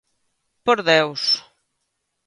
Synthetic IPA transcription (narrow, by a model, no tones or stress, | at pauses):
poɾðews